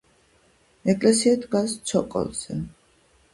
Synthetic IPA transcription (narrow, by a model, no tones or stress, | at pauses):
ɛkʼlɛsiɛd̪ɡast̪sʰɔkʼɔ̰lˠz̥ɛ